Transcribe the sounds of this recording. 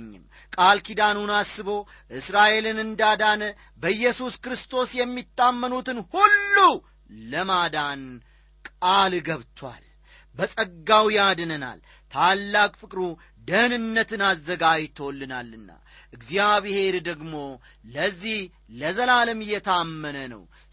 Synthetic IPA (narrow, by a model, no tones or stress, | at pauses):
ɲːɪ̰m | kʼalkʰid̪anunasːɨβo̞ | ʔɨsɾaʔe̞lɨnɨnd̪ad̪anə | bəjːɛsuskɾɨst̪ʰo̞sjɛmːit̪ʼːamːənut̪ɨnhulːu | ləmad̪an | kʼalɡəβt̪ʰwa̰l | bəsʼəɡːawijad̪ɨnəna̰l | t̪ʰalːakʼfɨkʼɾu | d̪ənɨnːət̪ʰɨnazːəɡajt̪ʰːəwɔlːɨnalːɨnːa̰ | ʔɨɡzjaβhe̞ɾd̪əɡmo̞ | ləzːih | ləzəlaləmjɛt̪ʰamːənənə̰w